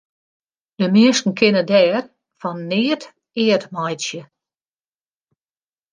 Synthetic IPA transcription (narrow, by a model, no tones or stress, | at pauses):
d̥əmɪəstn̩kʰɪnədɛːr | fɔnːɪət | ɪːətmɔjsjə